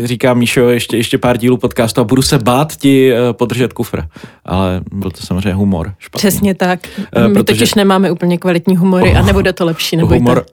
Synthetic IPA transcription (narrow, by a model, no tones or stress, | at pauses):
riːkaːmːiʃɛojɛʃcɛjɛʃcɛpaːɾɟiːluːpo̞t̪kaːst̪uabudusɛbaːt̪cɪpo̞d̪r̩ʒɛt̪kufɾʔa̰lɛbɪlt̪osamozreɛɲːɛɦumo̰ɾʃpar̥ɛsɲɛt̪akmpɾɪot̪oɪʃnɛmaːmɛʔupl̩ɲɛkvalɪt̪ɲiːɦumoɾɪʔanɛbodɛt̪olɛpʃiːnɛɦboumoɾ